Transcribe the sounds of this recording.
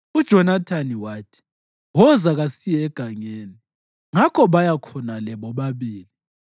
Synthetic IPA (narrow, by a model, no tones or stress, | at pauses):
ud̥ʒ̥ʱɔnatʰaniwaːtʰi̥ | wɔzaɣasijɛɛɡ̥ʱaɲeːni | ŋakʰɔβajakʰɔnalɛβɔβaβiːli